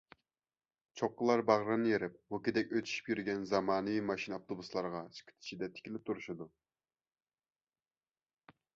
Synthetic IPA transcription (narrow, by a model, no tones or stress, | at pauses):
t͡ʃʰoq̚ːəlˠɑɾbɑʁɾɨnɨjeɾɪp̚mukʲid̪ɛkʲøt̪ʰy̥ʃi̥pjyɾɡʲɛnzɑmɑːnɨvimɑʃinoft̪ʰobuslˠɑɾʁɑsɨ̥kʲʰɪ̥t̪ʰi̥t͡ʃid̪ɛt̪ʰɪ̥kʲʰilɪp̚t̪ʰuɾuʃɨd̪u